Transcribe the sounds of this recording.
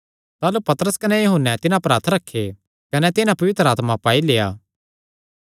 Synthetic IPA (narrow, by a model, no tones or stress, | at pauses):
t̪aːlupɐt̪ɾəskɐnɛjɐɦʊnːɛt̪ɪnãpɾaːɾt̪ʰɾɐkʰːe | kɐnɛt̪ɪnãpɐʋɪt̪ɾəaːt̪mapaːileːa̰ː